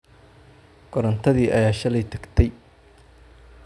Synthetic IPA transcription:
ɡɔɾɐnt̪ʰɐðiːʔɐjaːʃɐlɛjt̪ʰɐɡt̪ʰɛj

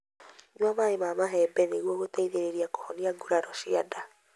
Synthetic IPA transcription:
ɲwamaemaːmaɦɛbɛneɣwɔɣotɛiðeɾeɾiako̥hɔniaɡuɾaɾɔʃiada

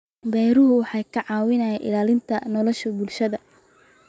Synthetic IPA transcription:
bɛjɾʊɦʊwɑħɑjkʰɐʕɑːwɪnɐːjɛʔɪ̰laːlɪnt̪ʰɐnɔlɔʃɐbʊlʃɐðɐ

